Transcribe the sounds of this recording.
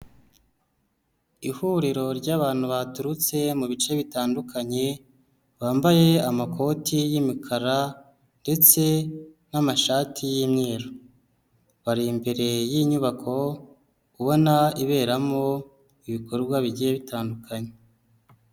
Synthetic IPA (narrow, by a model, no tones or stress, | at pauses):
ihuɾiɾo̞ɾɟaːβaːn̥huβatuɾut͡se̞muβit͡ʃe̞βitaːndukʰaɲe̞ | βaːmbaje̞amakʰo̞tijimikʰaɾa | nde̞t͡se̞ | namaʃaːtʰijimɲiːɾo | βaɾimbe̞ɾe̞jiɲuβakʰo̞ | uβo̞naiβe̞ːɾamo̞ | iβikoɾɡwaβiɟije̞βitaːndukʰaɲe